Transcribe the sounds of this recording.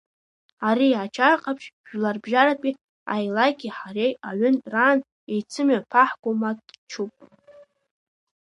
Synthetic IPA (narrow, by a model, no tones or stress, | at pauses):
aɾiat͡ʃʰaqʼapʰʃʒᶣlarbʒaɾapʼi | a̰jlaɡʲiħaɾejaɥʏnraːn | ejt͡sʰɨmapʰaħɡʷomatʼt͡ʃʰupʼ